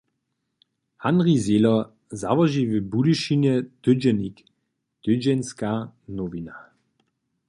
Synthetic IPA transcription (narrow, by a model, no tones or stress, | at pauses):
hanʁizelɔ | za̰vɔʒivɪbudiʃinɛd̪̥ʏd͡ʒɛnik | d̪̥ʏd͡ʒɛnskaːnɔvina